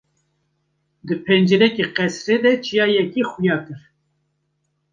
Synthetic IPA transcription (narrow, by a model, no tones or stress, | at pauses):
d̪ɨpʰɛnd͡ʒeɾɛkeqɛsɾeːd̪ɛt͡ʃʰijɑːjɛkiːxujɑːkɨɾ